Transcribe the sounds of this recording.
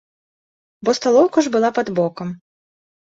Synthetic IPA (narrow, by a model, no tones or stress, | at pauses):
bɔst̪alˠɔwkuʐbɨlˠapɐd̪bɔkɐm